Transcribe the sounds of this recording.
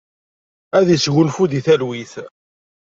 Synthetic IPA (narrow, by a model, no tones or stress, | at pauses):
æðisɣʊlfuðiθælwiθ